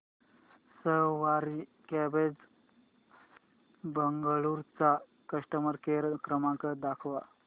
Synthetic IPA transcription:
səɦʋaɾi | kɛbed͡z | bəŋɡəɭuɾt͡sa | kəʂʈəməɾkeɾkɾəmãkəd̪akʰʋa̰

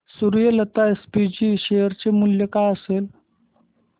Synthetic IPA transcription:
suɾjələt̪aespid͡ʑiːɕejəɾt͡ɕemuljəkajəsel

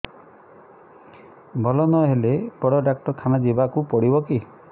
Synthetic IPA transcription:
bʱɔlɔnɔɦelepɔɽɔɖak̚ʈɔkʰanad͡ʒibakupɔɽibɔki

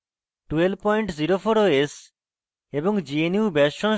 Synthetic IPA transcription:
ʈuelbpɔjɳʈziɾofoɾoes | eboŋd͡ʑieniubɛʃʃɔn

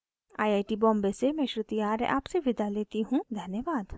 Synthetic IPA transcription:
aːjaːiʈibɔ̃ːmbesemɛ̃ːʃɾɪt̪ijaːɾʔa̰ːpseʋɪd̪aleːt̪iɦũd̪ʱənjəʋaːd̪

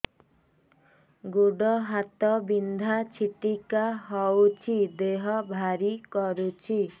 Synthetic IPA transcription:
ɡuɽɔɦat̪ɔbind̪ʱat͡sʰiʈikaɦɔwt͡sʰid̪eɦʌbʱaɾikɔɾut͡sʰi

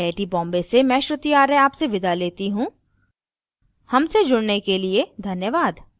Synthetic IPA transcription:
eːʈibɔ̃ːmbesemɛ̃ːʃɾʊt̪iaːɾeaːpseʋɪd̪ʱaleːt̪iɦũ | hɐmsed͡ʒʊɽnekelied̪ʱɐnjəʋaːd̪

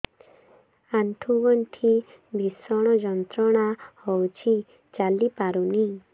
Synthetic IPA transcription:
aɳʈʰuɡɔnʈ̪ʰi | bʱisɔɽ̃ɔd͡ʒɔnt̪ɾɔɽ̃ahɔwt͡ʃʰi | t͡ʃalipaɾuni

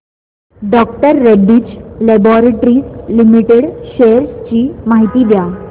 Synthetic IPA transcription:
ɖɔkʈəɾːeɖːiːt͡ɕlɛbɔɾeʈɾiːslimiʈeɽɕeɾst͡ɕiːmaɦit̪iːd̪ja

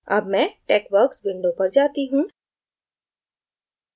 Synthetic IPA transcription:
ɐ̰bmɛ̃ːʈeːkʋəɾksʋɪ̃ɳɖopɐɾd͡ʒaːt̪iɦũː

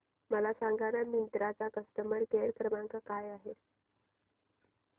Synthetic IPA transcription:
məlasaŋɡʱaɽamint̪ɾat͡sakəst̪əməɳkeɭkɾəmaŋkakajaɦe

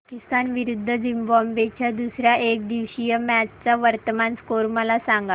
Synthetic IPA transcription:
akist̪anʋiɾud̪ʱːəd͡zimbɔmbet͡ɕʰjad̪usɾjaʔek̚d̪iʋɕijəmæt͡st͡saʋəɾt̪əmanskoɾməlasãŋɡa

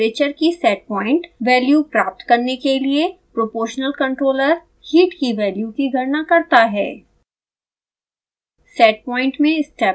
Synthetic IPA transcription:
eːt͡ʃəɾkisɛːʈ̚pɔ̃ːɪ̃ɳʈʋɛːljupɾaːp̚t̪kɐɾnekeliepɾopoːɾʃnəlkɐ̃ɳʈɾoːləɾ | hiːʈkiʋɛːljukiɡʱɐɾnakɐɾt̪aɦɛ̰ː | sɛːʈ̚pɔ̃ːɪ̃ɳʈmẽɪsʈɛː

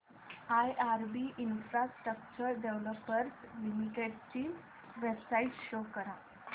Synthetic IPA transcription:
ajaɾbiʔinfɾasʈɾək̚t͡ɕəɾɖeʋləpːəɾslimiʈeɖt͡ɕiː | ʋebsaiʈɕokəɾa

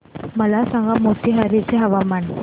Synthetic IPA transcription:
məlasãŋɡamoʈ̪iːɦaɾit͡seɦəʋamaɳ

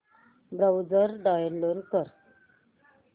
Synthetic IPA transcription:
bɾawd͡zəɾɖajənloɾkəɾ

